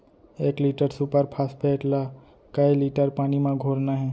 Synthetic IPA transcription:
ekliʈəɾsupəɾpʰaspʰeːʈla | kəjliʈəɾpañimãɡʱolnaɦɛ

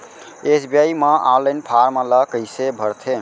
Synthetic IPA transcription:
esbiajmə̃ʔaɾlənpʰaɾmə̃ləkəjsebʱəɾt̪ʰe

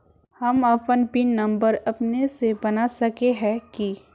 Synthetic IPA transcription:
hɐmɐpənpinːɐ̃mbəɾɐpnesebɐnasɐkeɦɛ̃ki

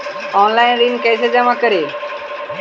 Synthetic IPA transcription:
ɔːnlaːɪnɾiːnkəːsed͡ʒəmakəɾeː

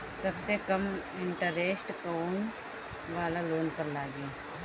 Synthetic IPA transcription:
sɐbsekɐmɪɳʈəɾeːsʈkoːn | ʋaːlaloːnkəɾlaːɡeː

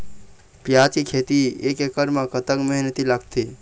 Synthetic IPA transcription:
pjat͡ʃikʰet̪iekekəɾmãkət̪əkməɦnət̪ilaɡt̪i

